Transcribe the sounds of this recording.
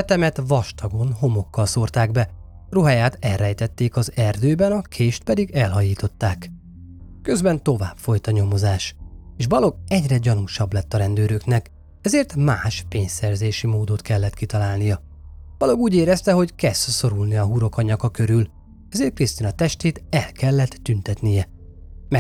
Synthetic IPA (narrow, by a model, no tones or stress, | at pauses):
ɛt̪ɛmɛt̪vɒʃt̪ɒɡo̞nɦo̞mo̞kːɒlso̞rt̪aːɡbɛ | ruɦajaːt̪ɛlrːɛjt̪ɛt̪ːeːkɒzɛrd̪øːbɛnɒkʰeːʃt̪̚pɛd̪iɡɛlɦɒjiːt̪o̞t̪ːaːk | kø̞zbɛnt̪o̞vaːpfo̞jt̪ɒɲo̞mo̞zaːʃeːʃbɒlo̞ɡɛɟrɛɟɒnuʃɒblɛt̪ːɒɾɛnd̪øːɾøknɛk | ɛzeːrt̪maːʃpeːɲsɛrzeːʃimoːd̪o̞t̪kɛlːɛt̪kit̪ɒlaːlnijɒ | bɒlo̞ɡuːɟeːɾɛst̪ɛɦo̞ckɛst̪so̞ɾulniɒɦuɾo̞kɒɲɒkɒkø̞ɾyl | ɛzeːrt̪̚krist̪inɒt̪ɛʃt̪eːt̪ɛlkɛlːɛt̪ːynt̪ɛt̪nijɛmɛ